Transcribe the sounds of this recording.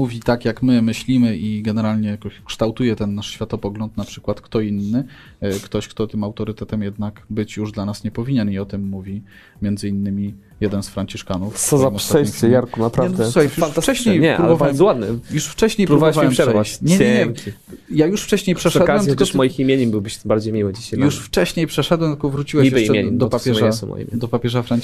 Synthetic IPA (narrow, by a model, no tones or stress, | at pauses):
muvʲit̪akjakmɘmɘɕlʲimɘʔiɡɛnɛɾalɲɛjakɔɕkʂt̪awt̪ujɛt̪ɛnːaʂɕfʲjat̪ɔpɔɡlɔnt̪napʂɘ̥kwat̪kt̪ɔinːɘ | kt̪ɔɕkt̪ɔt̪ɘmawt̪ɔɾɘt̪ɛt̪ɛmjɛd̪nakbɘt͡ɕjuʐd̪lanasɲɛpɔvʲiɲɛniɔt̪ɘmːuvʲi | mʲjɛnd̪zɘinːɘmʲi | jɛd̪ɛnsfɾaɲt͡ɕiʂkanufsɔzamʂaɛsɛjaɾkunapɾaɛnvd̪ɛsuajjuanfast͡ʂɛɕɲejɲɛapɾulbɔvawɛmzɔwad̪nɛjuʂft͡ʂɛɕɲejpɾuvabɛawwɛmʂɛʂɾɛvaɲɛɲɛɲɛŋkʲi | jajuʂft͡ʂɛɕɲejpʂɛʂɛdwɛmt̪lkɔmɔjiximjeɲɛmbɘwbɘɕbaɾd͡ʑejmʲiwɘd͡ʑiɕajjuʂft͡ʂɛɕɲejpʂɛʂɛd̪wɛmt̪ɨ̥kɔvɾut͡ɕiwɛijɛiɛeɲɛd̪ɔpapʲjɛasmɔ̰j̰ʲd̪ɔpapʲjɛʐafɾaɲ